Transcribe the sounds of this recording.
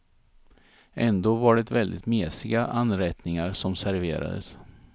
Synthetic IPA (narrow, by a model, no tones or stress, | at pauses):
ʔɛnd̪oːvaɖɛt̪vɛld̪ɪt̪meːsɪɡaʔanɾɛt̪nɪŋaɾsɔmsæɾveːɾa̰d̪ə̰s